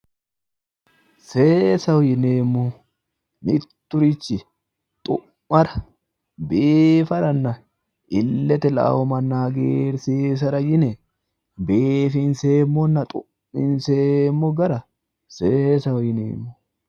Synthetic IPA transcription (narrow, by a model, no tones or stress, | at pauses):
seːsɐwɔjɪneːmːʊ | nɪt̪ːʊɾɪt͡ʃːɪ | t̪ʼʊ̰ | mɐɾɐ̥ | beːfɐɾɐnːɐ | ɪlːɛt̪ɛla̰wɔmɐnːaɡeːɾseːs̬ɐɾɐjɪnɛ | beːfɪnseːmːɔnːɐt̪ʼʊmːɪnseːmːɔɡɐɾɐ | seːsɐwɔjɪnḛːmːʊ